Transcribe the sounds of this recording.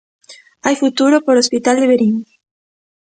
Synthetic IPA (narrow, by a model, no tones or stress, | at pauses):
ajfut̪uɾopoɾospit̪ald̪eβeɾiŋ